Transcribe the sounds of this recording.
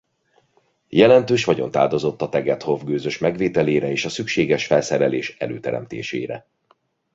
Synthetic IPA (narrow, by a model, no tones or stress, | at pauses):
jɛlɛnt̪øːʃʋɒɟo̞̰nt̪a̰ːld̪o̞zo̞t̪ːɒt̪ɛɡɛt̪hovɡøːzø̞ʃmɛɡʋeːt̪ɛleːɾɛeːʃɒsykʃeːɡɛʃfɛlsɛɾɛleːʃɛ̰løːt̪ɛɾɛ̰mt̪ḛːʃḛːɾɛ̰